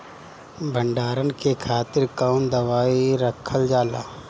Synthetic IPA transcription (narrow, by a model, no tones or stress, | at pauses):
bʱəɳɖaːɾənɪkeːkʰaːt̪ɪɾkəːnd̪əʋaːiɾəkʰəld͡ʒaːlaː